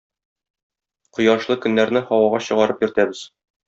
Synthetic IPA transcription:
qŏjɑʃlˠɤkɵ̆nːæɾnɘhɒwɑʁɑɕɤ̆ʁɑɾɤpjɵ̆ɾt̪æbɘz̥

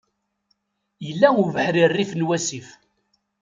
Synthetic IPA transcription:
jəlːæuvəħɾirːifnwæsif

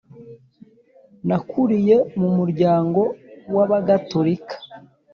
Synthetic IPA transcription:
nakʰuɾije̞mumuɾɟaːŋɡo̞waβaɡatoɾikḁ

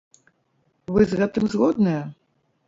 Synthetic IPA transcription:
vɨzɣɛt̪ɨmzɣɔd̪̚nɨjɐ

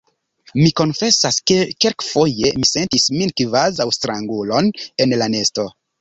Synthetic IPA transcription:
miko̞nfe̞saskekelkfo̞je̞mise̞ntisminkvazawstɾaŋɡulo̞ne̞nlane̞sto̞

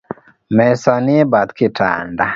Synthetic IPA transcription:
mɛsɔniɛbat̪kita̰nda

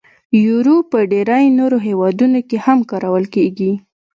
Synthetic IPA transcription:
juɾopəɖeɾajnoɾoɦewɑd̪unokehamkɑɾawəlkeɡi

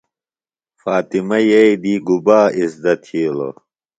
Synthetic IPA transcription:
faːt̪imɐjɐjd̪iːɡubaːisd̪ɐt̪ʰiːlo̰

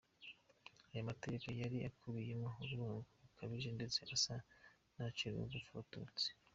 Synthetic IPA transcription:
ajamate̞ekojaɾiakʰuβijemo̞uβuɾuːŋɡuβukʰaβiʒe̞nde̞t͡se̞ʔasa | nat͡ʃiɾṵɡufotṵt͡se̥

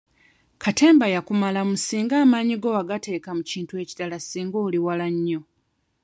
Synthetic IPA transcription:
kʰate̞ːmbajakumalamusiːŋɡaːmaːɲiɡo̞aɡate̞ːkamuciːntue̞ːci̥talasiːŋɡoːliwalaɲːo̞

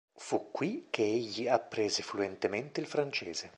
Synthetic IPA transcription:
fukːwik̟eeʎːiapːɾeːzefluent̪ement̪eilfɾant͡ʃeːz̥e

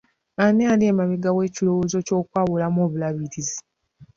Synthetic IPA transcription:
anealemaβiɡawe̞ːcilo̞woːzo̞co̞ːkwaːβulamoːβulaβitizi

